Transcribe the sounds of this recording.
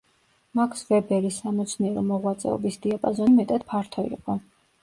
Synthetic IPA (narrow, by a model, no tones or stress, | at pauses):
makʰsvɛbɛɾisamɔt̪sʰniɛɾɔmɔʁwat̪sʼɛ̰ɔ̰bisd̪iapʼazɔnimɛt̪ʼad̪̥pʰaɾt̪ʰɔḭqʼɔ